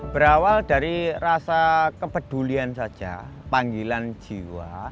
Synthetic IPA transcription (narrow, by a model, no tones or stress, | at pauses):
b̥əɾawaldaɾirasakəpəd̥uliansad̥d͡ʒ̥a | paŋɡiland͡ʒ̥ḭwa̰